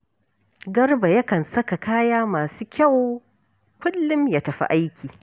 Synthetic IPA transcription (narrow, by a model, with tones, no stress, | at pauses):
ɡɐ˦rba˨jɐ˦kɐ˨nsɐ˦ka˨kaː˦jaː˦maː˨suː˦kʲa˦˨w | kʷʊ˦lːʊ˦mja˨tɐ˨ɸḭ˦ʔa˦jkʲiː˨